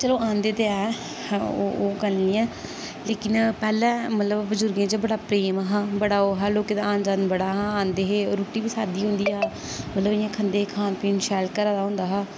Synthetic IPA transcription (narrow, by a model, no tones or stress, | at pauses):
t͡ʃəloːãːnd̪eːt̪eɛː | oːoːɡəlnĩːɛ̃ː | leːkɪnpɛːlɛ̃ːmət̪ləbbəzʊɾɡẽːt͡ʃəbəɽaːpɾeːmaɦãːbəɽaːoːɦɛːloːkeːd̪aːãːnd͡ʒaːnbəɽaːɦãːãːnd̪eːɦeːɾoːʈiːbiːsaːd̪iːɦʊ̃nd̪iːaː | mət̪ləbɪjãːkʰənd̪eːkʰãːnpiːnʃɛːlkəɾaːd̪aːɦʊ̃nd̪aːɦaː